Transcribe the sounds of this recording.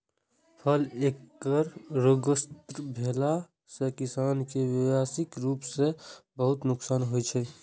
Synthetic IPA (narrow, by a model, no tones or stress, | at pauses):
pʰəleːkːəɾɾoɡəst̪ɾbʱeːla | sekɪsaːnkeʋɪwaːsɪkɾuːpsebəɦʊt̪nʊksaːnɦoit͡ʃʰɛ